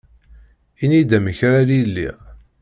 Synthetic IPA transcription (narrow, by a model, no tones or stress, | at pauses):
inid̪æməçɾalilːḭ